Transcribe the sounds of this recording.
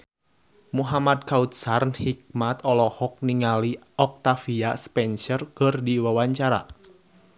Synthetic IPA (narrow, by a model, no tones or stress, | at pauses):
muɦamad̪̚kaut̪̚sarnhik̚mat̪ɔlɔhɔk̚niŋali | ɔk̚t̪afiaspɛnsərkərdiwawaɲt͡ʃaɾa̰